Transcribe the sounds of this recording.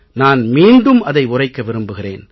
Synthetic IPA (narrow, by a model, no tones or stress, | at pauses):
naːnmiːɳɖɯmɐðɐɪʊrɐɪkːɐʋɪɾɯmbɯɣɪrḛːn